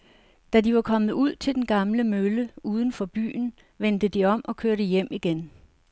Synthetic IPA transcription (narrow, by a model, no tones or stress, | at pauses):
d̥ædiʋɑ̈kʰɒ̽mð̩ˠuð̞̰ˠt͡sʰe̝ld̥enɡ̥ɑ̈mləmøləuːð̞ˠn̩fɒ̽b̥y̰ːn̩ | ʋend̥əd̥iɒ̽mʔɒ̽kʰøɐɾəjem̰iɡ̥en